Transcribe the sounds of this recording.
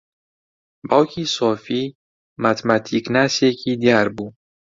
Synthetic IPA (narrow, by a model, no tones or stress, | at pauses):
bawkʰiːsɔfiː | mat̪ʰmat̪ʰiknasekʰid̪iaɾbuː